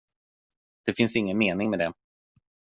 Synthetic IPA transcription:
d̪̥ɛfɪnsɪŋːənmeːnɪŋmɛd̪ɛ

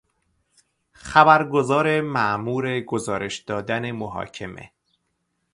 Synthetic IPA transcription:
xæbæɾɡo̞zɒːɾe̞mæʔmuːɾe̞ɡo̞zɒːɾe̞ʃd̪̥ɒːd̪æne̞moɦɒ̰ːcʰe̞mʔe̞̰

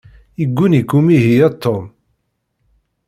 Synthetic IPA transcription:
iɡʷːunikːumiɦijæt̪ʰːom

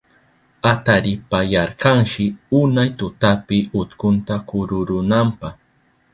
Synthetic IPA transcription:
at̪aɾɪpajɑɾqɑŋʃɪʊnajt̪ʊt̪apɪʊt̪kʊnt̪akʊɾʊɾʊnampɑχ

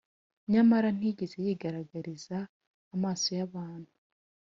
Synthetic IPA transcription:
ɲamaɾan̥iɟeze̞jiːɡaɾaɡaɾizaː | maːso̞jaβaːn̥hu̥

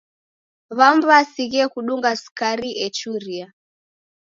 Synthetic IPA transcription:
βambasiɣiɛkuɗuŋɡaskaɾiʔɛt͡ʃuɾia

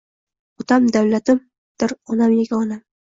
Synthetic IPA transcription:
ɒt̪ʰamd̪awlat̪ɪm | d̪̥ɪɾɒnamjeɡʲaɒnam

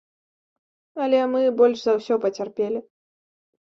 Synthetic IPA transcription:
ɐlʲɛmɨbɔlʲʂzɐwsʲɔpɐt͡sʲarpʲelʲi

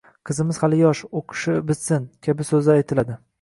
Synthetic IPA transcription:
qʰɨzɪmɪz̥halɪjɒʃoqʰɨ̥ʃɪbɪt̪sɪnkʲʰabɪsɵzɪajt̪ʰɪlad̪ɪ

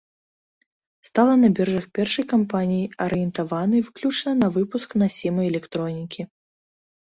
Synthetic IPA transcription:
st̪alˠɐnɐbʲɛrʐɐxpʲɛrʂɐjkampanʲijiɐɾɨjɛnt̪avanɨvɨklʲut͡ʂnɐnɐvɨpusknɐsʲɛmɐjɛlʲɛkt̪ɾɔnʲikʲi

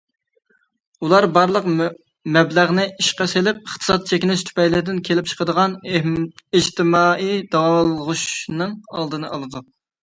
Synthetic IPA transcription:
ulˠɑɾbɑɾlˠəq | mɛblæʁnɨiʃqɑselɪp̚əχt̪ʰɨ̥sɑt̪̚t͡ʃʰekʲɪnɪʃt̪ʰy̥pɛjlɪɾd̪ɪnkʲʰelɪp̚t͡ʃʰə̥qəd̪əʁɑn | id͡ʒt̪ʰɪmɑid̪ɑwɑlˠəʁuʃnɨŋɑlˠd̪ɨnɨʔɑlˠɨd̪u

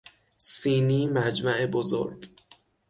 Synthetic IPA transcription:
siːniːmæd͡ʒmæʔebozo̰ɾɡ

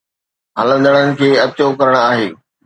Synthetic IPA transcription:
ɦɐlə̃nd̪əɽ̃ənɪ̆kʰeːɐt͡ɕokɐɾəɽ̃aːɦeː

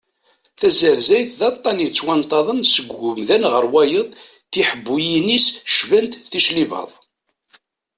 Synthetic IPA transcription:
θæzəɾzæjθðɑt̪ˤːɑnjit͡sːwɑnt̪ˤːɑðˤənsəɡʊmðænʁəɾwæjəðˤ | θiħəbːujinisʃvænt̪θiʃlivɑ̰ðˤ

